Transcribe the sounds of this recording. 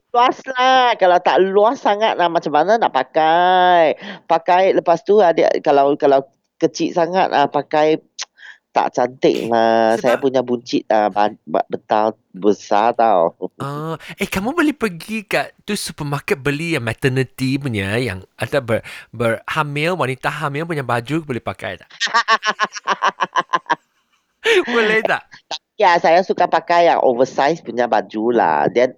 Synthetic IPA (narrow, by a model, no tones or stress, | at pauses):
luaslakalawt̪aʔluasːaŋat̪̚lahmat͡ʃamːananaʔpakajpakajləpast̪uada̰kalawkalaw | kət͡ʃiʔ̪̚saŋa̰t̪̚ʔahpakaj | t̪a̰ʔt͡ʃant̪ɪ̰k̚massajapuɲabuɲt͡ʃit̪̚aba̰bət̪al | bəsat̪awɔekamũbolehpərɡikaʔt̪usupəmakɛt̪̚bəlijaŋmɛt̪ənit̪ipuɲaja̰ŋat̪abəbərhamĩlwanit̪aɦamɪlp̬uɲabad͡ʒubolɛhpaka̰jt̪aʔ | bulɛht̪aʔt̪ap̚iasajasukapakajaŋʔo̰vəsajspuɲabad͡ʒula̰dian